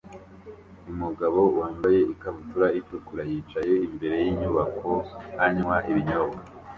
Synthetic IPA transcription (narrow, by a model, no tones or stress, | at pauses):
umuɡaβo̞uwaːmbaje̞ikaβutuɾaikokuɾajiːt͡ʃajeimbe̞ɾe̞jiɲuβakʰo̞haɲwaʔiβiɲobɡa